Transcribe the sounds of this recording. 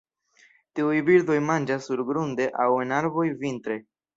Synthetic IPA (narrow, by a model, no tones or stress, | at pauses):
tiujbiɾd̪o̞jmand͡ʒasːuɾɡɾund̪e̞ʔawenaɾvo̞jvint̪ɾe̞